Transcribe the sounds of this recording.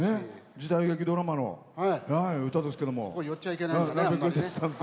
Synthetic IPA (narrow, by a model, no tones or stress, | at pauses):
ned͡ʑid̪aiɡe̞kʲid̪o̞ɾamano̞̰ | haihaiɯ̟t̪ad̪e̞sɨ̥ke̞d̪omoojot͡ɕːaikenaanabʲakɯk̪et͡st̪ːãnes